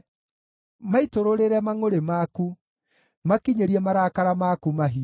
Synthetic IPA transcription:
maitoɾoɾeɾɛmaŋoɾemaku | makiɲeɾiɛmaɾakaɾamakumaɦi

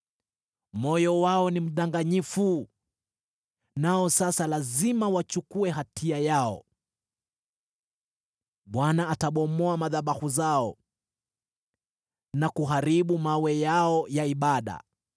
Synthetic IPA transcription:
mɔjɔwaɔnim̩ɗaŋɡaɲifu | naɔsasalazimawat͡ʃukuɛɦatiajaɔ̰ | ɓwanaːtaɓɔmɔamaðaɓahuzaɔ | nakuɦaɾiɓumawɛjaɔjaiɓaɗa̰

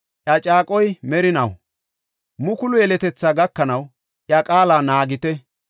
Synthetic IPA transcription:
ʔjɐt͡ʃʼaːkʼɔjmɛɾɪnɐw | mʊkʊlʊjɛlɛt̪ɛt͡sːaːɡɐkːɐnɐw | ʔjɐkʼaːlaːnaːɡɪt̪ɛ

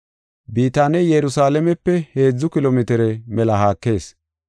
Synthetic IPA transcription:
biːt̪aːnɛjɛɾʊsaːlɛmɛpːɛhe̞ːd͡zːʊkɪloːmɪt̪ɛɾɛmɛlɐhaːkːe̞ːs

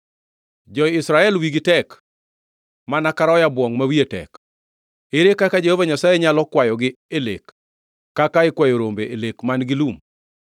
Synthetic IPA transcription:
d͡ʒɔɪsɾaɛlwiɡɪtɛk | manakaɾɔjabwɔŋmawietɛ̰k | eɾekakad͡ʒehovaɲasajɛɲalɔkwajɔɡɪ | elḛkː | akaɪkwajoɾombeʔelekmanɡɪlum

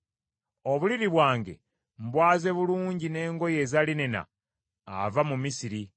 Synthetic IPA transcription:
oβuliɾiβwaːŋɡe̞̰ | m̩bwaːze̞βuluːɲɟine̞ːŋɡo̞je̞ːzalinena̰ː | vamumisiɾi

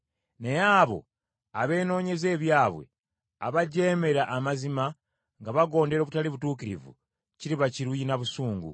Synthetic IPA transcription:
nejaːβo̞̰ | aβe̞ːno̞ːɲe̞ze̞ːβjaːβwe̞̰ | aβaɟe̞ːme̞ɾaʔːmazima | ŋɡaβaɡo̞ːnde̞ɾo̞ːβutaliβutuːkiɾḭvṵ | ciɾiβaciɾujinaβusuːŋɡṵ

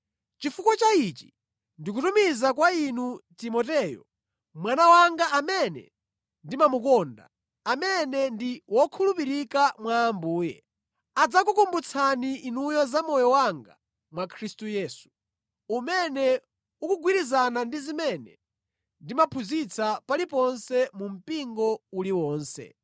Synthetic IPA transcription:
t͡ʃifukɔt͡ʃait͡ʃi̥ | ndik̬utumizakwainutimɔtɛːjɔ̰ | mwanawaŋɡaʔamɛnɛ̰ | ndimamukɔnda̰ | amɛnɛndiwɔkʰulup̬iɾikamwaːmbuːjɛ̰ | ad͡zak̬ukumbut͡sʰaniʔːnujɔzamɔjɔwaŋɡa̰ | mwakʰɾistujɛːsu̥ | umɛnɛ | ukuɡwiɾizanandizimɛnɛ | ndimapʰuzit͡sʰapalipɔnsɛmum̩piŋɡɔuliwɔːnsɛ̰

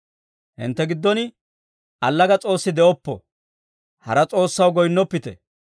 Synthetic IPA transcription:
hɪ̰nt̪ːɛɡɪd̪ːɔnɪ | ʔɐlːɐɡɐt͡sʼo̞ːsːɪd̪ɛʔɔpːɔ̰ | hɐ̰ɾɐt͡sʼo̞ːsːɐwɡɔjnːɔpːɪt̪ɛ̰

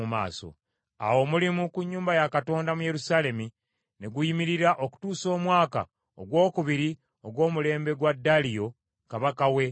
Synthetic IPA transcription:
uma̰ːso̞̰ | a̰wo̞ːmulimukuɲːuːmbajakato̞ːndamuje̞ɾusaːle̞mi | ne̞ɡujimiɾiɾaʔo̞ku̥tuːso̞ːmwaːka̰ | oɡwo̞ːkuβiɾi | o̞ɡwo̞ːmule̞ːmbe̞ɡwadːalijo̞ | kaβakawe̞

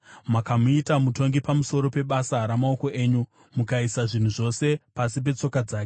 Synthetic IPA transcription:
makamuitamuto̞ŋɡipamuso̞ɾo̞pe̞ɓasaɾamao̞ko̞ʔe̞ːɲu | mukaisaʐin̤uʐo̞se̞pasip̬e̞t͡so̞kad͡zaːke

